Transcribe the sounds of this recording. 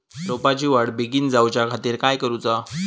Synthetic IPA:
ɾopat͡ɕiːʋaɽbiɡiːnd͡zawt͡ɕakʰat̪iːɾkajkəɾut͡sa

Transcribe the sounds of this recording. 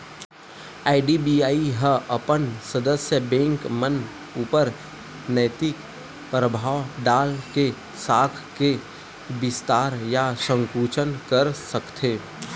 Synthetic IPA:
aːɪɖibiːaːiɦəɐpənsəd̪əsjəbẽːŋkmən | uːpəɾ | nəɪt̪ɪk | pɾəbʱaːʋɖaːlke | saːkʰke | bɪst̪aːɾjasə̃ŋkuːt͡ʃənkəɾsəkt̪ʰeː

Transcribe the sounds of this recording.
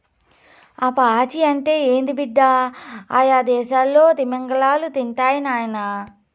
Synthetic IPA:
ɐpɐaːt͡ʃiɐɳʈe̞ːeːnd̪ibiɖ̪ːaaːjaːd̪ɛːʃaːlːo̞ːt̪imɐŋɡɐɭaːlut̪iɳʈaːjinaːjɐnɐ

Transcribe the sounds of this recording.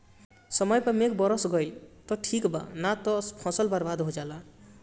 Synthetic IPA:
sʌmʌjpamekbʌɾʌsɡʌjt̪ɔʈʰikba̰nat̪ɔspʰɔ̃sʌlbaɾbad̪ɦod͡ʒala

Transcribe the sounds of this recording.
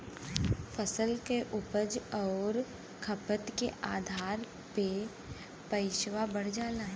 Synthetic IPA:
fʰəsəlkeʔʊpəd͡ʒɔːɾ | kʰəpət̪keʔaːd̪ʱaːɾ | pe | pəɪʃʋabəɽ̤d͡ʒaːlaːɦ

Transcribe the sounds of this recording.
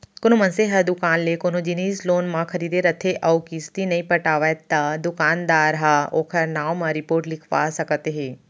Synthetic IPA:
kʊnomɐnseɦɐɾd̪ʊkaːnlekoːnõd͡ʒiniːsloːnmãkʰɐɾiːd̪eɾɐt̪ʰeʔɐwkist̪inɐĩpɐʈaːʋət̪ːad̪ʊkaːnd̪aːɾɦaːoːkʰɐɾnaːwmãɾɪpoːɾʈlɪkʰʋa̰sɐkət̪ɦeː

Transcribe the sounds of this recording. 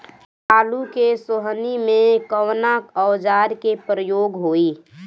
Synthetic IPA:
aːlukesoɦənimẽkəwnakəwd͡ʒaːɾkepɾəjoːɡɦoːiː

